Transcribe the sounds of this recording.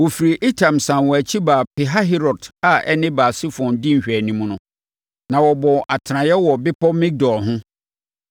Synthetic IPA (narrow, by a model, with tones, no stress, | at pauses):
wɔ˨fi˨ɾi˨ʔi˦tʰã˨msã˨nwɔ˨æ˨t͡ɕʰi˦baː˨pʰɪ˨ɦa˦ɦɛ˦ɾɔ˨da˨ɛ̰˦nɪ̃˦baː˨si˦fɔ̃˨ndɪ˦ɲ̩˨ɕᶣɛ˨nĩ˨m̃˦nʊ̃˦ | nã˨wɔ˨bɔ̃˨ʔa˨tʰɪ˨ɾã˨jɛ˦wɔ˨bɪ˦pʰɔ˦mĩ˦k̚dɔ˨lɦʊ̃˦